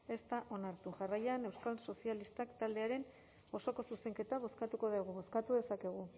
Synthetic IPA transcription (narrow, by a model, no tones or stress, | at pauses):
e̞st̪aʔo̞naɾt̪uʝarajane̞wskalso̞sialist̪akt̪ald̪e̞aɾe̞n | o̞so̞ko̞suse̞ŋke̞t̪aβ̞o̞skat̪uko̞ðaɣuβo̞skat̪uðesake̞ɣ̞u